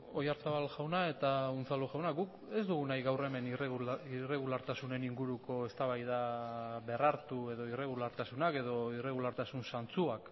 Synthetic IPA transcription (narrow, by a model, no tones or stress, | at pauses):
o̞jaɾsaβalʝawnae̞t̪aunt͡saluʝawnaɡuk | e̞zd̪uɣunajɣawre̞me̞nire̞ɣ̞ulaɾt̪asune̞niŋɡuɾuko̞e̞st̪aβajðaβeraɾt̪ue̞ðo̞ire̞ɣ̞ulaɾt̪asunake̞ðo̞ire̞ɣ̞ulaɾt̪asunsant͡suak